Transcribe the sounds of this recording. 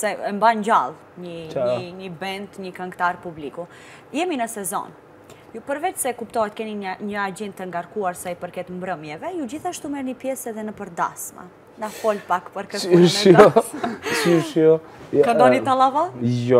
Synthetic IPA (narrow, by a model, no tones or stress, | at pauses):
sɛɛmbaɲd͡ʑa̰lˠ | ɲəɲəɲəbɛnt̪ɲəkaŋkt̪aɾpubliku | jɛminəsɛzɔ̰n | jupəɾvɛt͡ʃsɛkupt̪ɔɦɛt̪kɛniɲəad͡ʑɛnt̪ːəŋɡaɾkuaɾsaipəɾkɛt̪mbɾəmjɛvɛjud͡ʑiθaʃt̪umɛɾnipjɛsɛðɛnəpəɾd̪a̰sma̰ | nafɔlpakpəɾkəʃjɔsiuʃjɔ | kand̪ɔnit̪alˠavajɔ